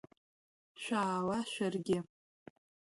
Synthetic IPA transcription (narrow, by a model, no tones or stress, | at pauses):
ʃʷᶣaːlaʃʷᶣarɡʲɪ